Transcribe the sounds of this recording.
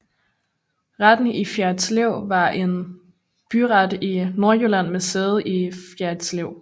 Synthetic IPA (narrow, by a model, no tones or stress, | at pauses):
ʁad̥n̩ifjæɐ̥t͡sleʊ̰ʋɑ̈ʔe̝n | b̥yʁɑd̥ino̝ɐjølæn̰meseːð̞̩ˠʔifjæɐ̥sleʊ̰